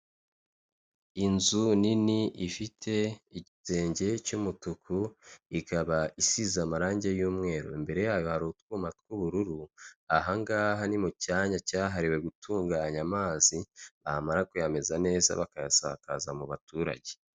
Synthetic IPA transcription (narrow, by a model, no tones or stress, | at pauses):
inzuniniʔifitʰe̞iɟite̞ːɲɟe̞cumutukʰuikaβaisizamaɾaːɲɟe̞juːmŋe̞ːɾo̰imbe̞ɾe̞jaːjohaɾutkumatkuβuɾuɾuaɦaŋɡaːɦanimucaːɲacaːɦaɾiwe̞ɡutuːŋɡaːɲamaːziβamaɾakujame̞zane̞ːza̰βakajasa̰ka̰zamuβatuːɾa̰ɟe̞̥